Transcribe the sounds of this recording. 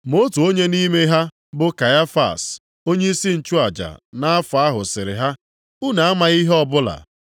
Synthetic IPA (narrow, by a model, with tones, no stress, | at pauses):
mo˦tu˨o˦ɲe˦ni˦me˦ɦa˦ | bʊ˦ka˨ja˦fa̰˨s | o˦ɲe˦i˦si˦n̩˨t͡ʃu˦a˨d͡ʒa̰˨na˦a˦fʊ˨a˦ɦʊ˨sɪ˨ɾɪ̰˨ɦa˦ | u˦na˨a˦ma˨ɣi˦ɦɔ˦bʊ˦la̰˨